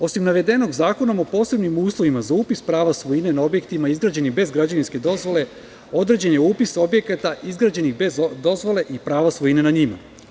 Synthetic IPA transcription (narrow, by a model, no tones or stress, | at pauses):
o̞simnaʋe̞d̪e̞no̞ɡzaːko̞nomopo̞ːse̞bnimuːslˠo̞ʋimazauːpispɾaːʋasʋo̞jine̞nao̞bjekt̪imaizɡɾaːd͡ʑe̞nixbe̞zɡɾad͡ʑaninske̞d̪o̞zʋo̞le̞ | o̞d̪ɾe̞d͡ʑenjeuːpiso̞bje̞kat̪aʔizɡɾaːd͡ʑe̞nixbezd̪o̞zʋo̞le̞ʔipɾaːʋasʋo̞ine̞naɲima̰